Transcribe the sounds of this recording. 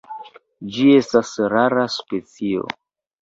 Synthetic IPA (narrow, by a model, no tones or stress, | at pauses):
d͡ʒie̞stasɾaɾaspe̞t͡sio̞̰